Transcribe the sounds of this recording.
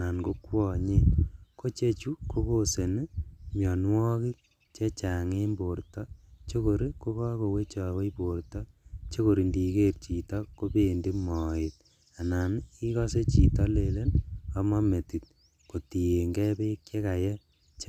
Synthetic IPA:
a˨na˨nko˦kwɔ˦˨ɲe˦ko˦t͡ʃe˦t͡ʃu˦kʰo˦ko˦se˨n˦mjɔ˨nwɔ˦ki˦ | t͡ʃe˦t͡ʃa˨ŋe˦mbo˨ɾtɔ˦t͡ʃe˦ko˨ɾe˦ko˦kɔ˦ko˨we˦t͡ʃɔ˨we˦ipo˨ɾtɔ˦t͡ʃe˦ko˨ɾi˨ndi˨ke˦ɾt͡ʃi˨tɔ˦ko˦pe˦˨ndi˦mɔ˨e˨t̚ | a˨na˨ni˦kɔ˦se˦t͡ʃi˨tɔ˦le˨le˦na˦ma˦me˨ti˨t̚ | ko˨ti˨je˨ŋɡɛ˦pe˦kje˦ka˨jɛ˦ | t͡ʃ

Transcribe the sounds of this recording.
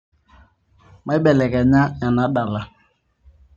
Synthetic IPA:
ma˦jbɛ˨lɛ˨kɛ˨ɲa˦ɲa˨na˨˦da˨la˦

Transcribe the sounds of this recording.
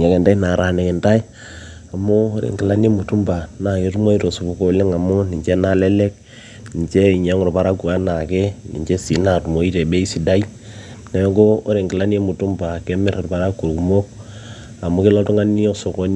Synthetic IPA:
ɲa˨kɛ˨nda˦i˦na˨ɾa˨ne˨ke˨nta˦i˦ | a˨mo˦ɾḛ˨ŋki˨la˦n˦e˦mu˨tu˦mba˨na˨je˦tu˦mo˦i˦to˨su˨bu˦ko˦˨le˦ŋa˨mo˦ni˨t͡ʃe˦na˦lɛ˦lɛ˦k̚ | ni˨nt͡ʃe˦i˨ɲa˨˦ŋo˨ɾpa˨ɾa˦ku˨a˦na˨kɛ˦nḭ˨nt͡ʃe˦si˨na˨tu˨mo˨˦i˦te˨be˦i˦si˨da˦i˦ | nɛ˨˦ko˦o˦ɾe˨ŋɡi˨la˦n˦e˦mu˨tu˦mba˨ke˦mɪ˦ɾe˨ɾpa˦ɾa˦kːu˨ɾku˨mo˦k̚ | a˨mo˦ke˦lo˦tu˦ŋa˦ni˦o˦so˨ko˦n

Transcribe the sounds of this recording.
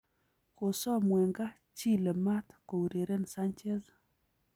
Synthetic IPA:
ko˨sɔ˦mwɛ˨ŋɡa˦ | t͡ʃi˦le˨ma˦t̪ko˨u˨ɾe˨ɾe˦nsa˦nt͡ʃe˦z

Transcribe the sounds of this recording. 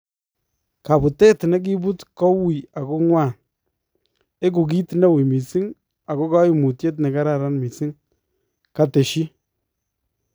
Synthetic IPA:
ka˨bu˨te˦tna˦k̬i˦bu˦tkɔ˦wi˨a˨ko˦ŋwa˦˨ | e˦k̬u˨k̬i˦tna˦wi˨mi˨si˦ŋ | a˨ko˦ka˦ji˦˨mu˨tje˦t̬ne˨ka˦ɾa˨ɾa˦nmi˨si˦ŋ | ka˦te˨ʃi˦

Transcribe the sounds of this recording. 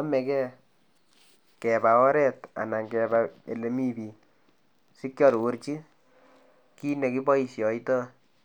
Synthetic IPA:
a˦mɛ˨kɛ˦ | kɛ˨ba˨ɔ˦ɾɛ˦ta̰˨na˨ŋkɛ˨ba˨e˨le˨mi˦bi˨ | si˦kjɔ˦ɾwo˦ɾt͡ʃi˦ | ki˦ne˨ki˦bɔ˦i˨sjɔ˨i˦tɔ˦

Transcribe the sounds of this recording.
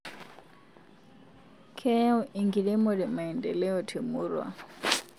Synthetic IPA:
kʰɛ˦u˦ʔi˨ŋɡi˨ɺɛ˦mo˨dɛ˨ma˨i˨ndɛ˨lɛ˦ɔ˨tʰe˨muː˦ɾwa̰˨

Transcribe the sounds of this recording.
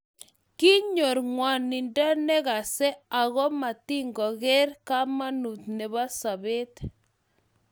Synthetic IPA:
ki˦ɲo˨ɾŋwa˨ni˨nda˦nɛ˦ɣa˨sɛ˦a˨ɣɔ˦ma˨ti˦ŋɡɔ˨ɣɛ˦ɾka˦ma˦nu˨t̪ne˨βa˦sa˨βe˦t̪

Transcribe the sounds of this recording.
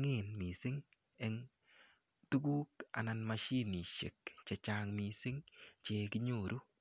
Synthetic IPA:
ŋe˦˨nmi˨sɪ˦ŋ | e˦ŋ | tu˦ɡuː˦ka̰˨na˨nma˧ʃi˦ni˨ʃḛ˨kt͡ʃe˨t͡ʃa˨ŋmi˨sɪ˦ŋt͡ʃe˧kɪ˦ɲo˦˨ɾu˦

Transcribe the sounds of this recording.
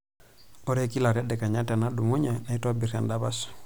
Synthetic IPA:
ɔ˦ɾɛ˦ki˦la˨ɾja˦dɛ˨ka˨ɲa˦ta˨na˦du˨mu˦ɲa˨na˨i˦ta˦bi˨ɾa˨nda˦βa˦sɔ̥˨

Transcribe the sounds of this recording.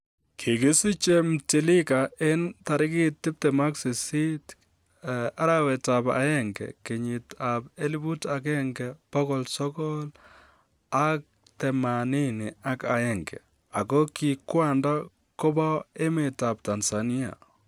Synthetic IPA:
kʰɪ˨kɪ˦si˦t͡ʃe˦m̩ti˨lɪ˦ka˨ɪ˦nta˨ɾɪ˦kɪ˦tːɪ˦p̚tɛ˨ma˦ksi˨si˦t | a˦ɾawɛ˨tapa̰˨jɛ˦ŋɡɛ̰ke˨ɲɪ˨ta˨pe˦li˦bu˦ta˨k̬ɛ˦ŋɡɛpɔ˦kɔlsɔ˦kɔ˦l | a˦k̚ | tɛ˨mani˦nɪ˨a˦ka˨jɛ˨ŋɡɛ̰˨ | a̰˨kɔ˦ki˨kwa˦nda˦ | ko˦ba˦e˦me˨ta˨p̚ta˨nsani˦a̰˨

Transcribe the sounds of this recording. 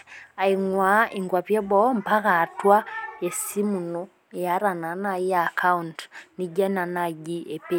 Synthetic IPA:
a˨iŋwaiŋɡwa˨βje˦βɔmpa˦ɣatwa˦esi˦mu˨no | ja˦ɾa˨na˨naiaka˦untni˦ɟa˦na˨naɟi˦epe

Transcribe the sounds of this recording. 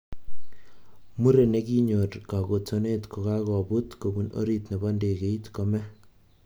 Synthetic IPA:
mu˦ɾe˨ne˦ki˦ɲo˨ɾka˨ko˨to˦ne˦tko˨ka˦kɔ˨bu˦tko˨bu˦no̰˦ɾi˦tne˨bɔ˦nde˨ke˨i˦tkɔ˦mɛ˦

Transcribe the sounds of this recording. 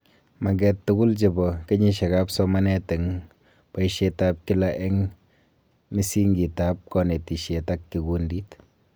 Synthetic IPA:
ma˨ɡɛ˨tːu˦kʊ˦lt͡ʃe˨bɔ˨ke˦ɲi˦ʃe˨ka˦psɔ˦ma˦nɛ˦te˨ŋ | pa˨i˦ʃe˦ta˦p̚kɪ˦la˨ʔɛ˦ŋ | mi˦si˦ŋɡi˨ta˦p̚kɔ˦ne˨ti˨ʃe˨ta˦kːi˨ku˦ndi˦t

